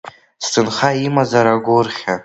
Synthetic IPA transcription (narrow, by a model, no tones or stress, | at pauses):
stʰɨnχaimazaɾaɡʷʊrχʲa